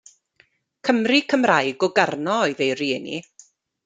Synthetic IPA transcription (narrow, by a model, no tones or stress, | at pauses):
kʰəmrikʰəmrajɡɔɡarnɔɔɨðejrinḭ